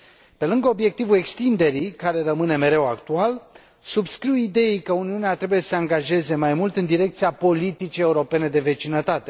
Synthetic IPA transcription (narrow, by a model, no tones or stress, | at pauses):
pe̞lɨŋɡəo̞bje̞k̚t̪ivue̞kst̪ind̪e̞ɾikaɾe̞rəmɨne̞me̞ɾe̞wakt̪ual | subskɾiwid̪e̞ikəuniuneat̪ɾe̞buje̞sə̥se̞aŋɡaʒe̞ze̞majmult̪ɨnd̪iɾe̞kt̪siapo̞lit̪it͡ʃie̞uɾo̞pe̞ne̞d̪e̞ve̞t͡ʃinət̪at̪e̞